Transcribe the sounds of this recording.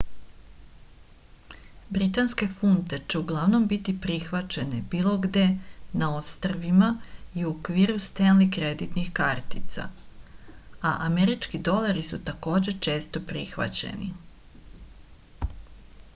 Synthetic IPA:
bɾit̪anske̞funt̪e̞t͡ʃe̞uɡlˠaʋno̞mbit̪ipɾixʋat͡ɕe̞nebiːlˠo̞ɡd̪e̞naost̪r̩ʋimaiuokʋiːɾust̪enlikɾe̞d̪it̪nixkaɾt̪it̪sa̰ | aʔameɾit͡ʃkid̪o̞lˠaɾisut̪ako̞ːd͡ʑe̞t͡ʃe̞ːst̪o̞pɾixʋa̰t͡ɕḛnḭ

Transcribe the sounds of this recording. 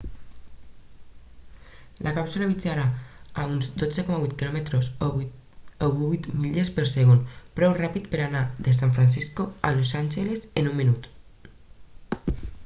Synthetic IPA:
lʔakapsulaβit͡saɾaaunzd̪od͡zekɔmaβuit̪̚kilɔmet̪ɾos | oββit̪miʎespəɾseɣonpɾɛwrapit̪peɾanaðes̬aɱfɾans̬iskoa̰losanʲʒelesenumminut̪

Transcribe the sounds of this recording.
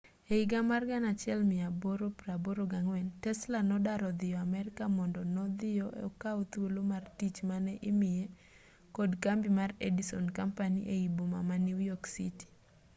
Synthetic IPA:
eiɡamarɡanat͡ʃɪɛlmɪaboɾopɾaboɾoɡaŋwɛntɛslanɔdaɾɔd̪ɪjɔamɛɾɪkamɔndɔnɔd̪ɪjɔʔḛɔkaot̪wolomartit͡ʃmanɛʔɪmɪje | kɔdkambimaredisɔnkampaniʔeiboma̰maniwjɔksḭti̥

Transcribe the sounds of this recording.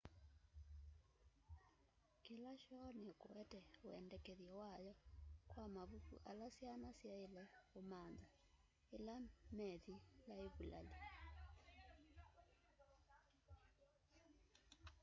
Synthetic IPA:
kilaʃɔnikuwɛtɛṵɛ̰ndɛkɛðiɛwajɔkwamaβukṵʔa̰lasjanasjailɛumand͡za | ilamɛðilaiβula̰li

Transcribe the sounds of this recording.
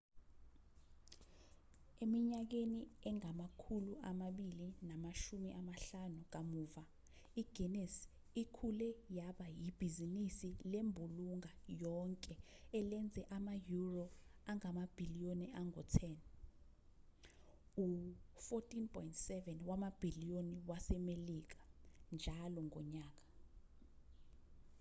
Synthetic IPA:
emiɲak̬eniɛŋamakʰuluʔamaɓilinamaʃumiʔamaɬanuk̬amuːva | iɡ̥ʱɛnɛs | ikʰulɛjaɓajib̥ʱizinisilembʱuluŋajɔŋkʼɛɛlɛnd͡zʱɛʔamajuroaŋamab̥ʱilijoniaŋɡɔtʰɛn | ufɔtʼinpʰʼɔjntsɛvɛnwamab̥ʱilioniwasɛmelik̬ḁnd͡ʒʱalɔŋʱɔɲaːk̬ʼḁ

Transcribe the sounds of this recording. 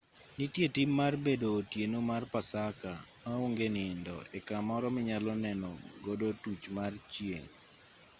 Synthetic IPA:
nitjetɪmːarbedoːtjenomarpasakamaoŋɡenɪndɔ̰ɛkamɔɾɔmɪɲalɔnɛnɔ̰ɡodotut͡ʃmart͡ʃjḛŋ

